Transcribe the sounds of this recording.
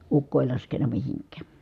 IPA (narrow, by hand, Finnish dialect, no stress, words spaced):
ukːo eˑi lɑskenˑɑ mihiŋkˑæː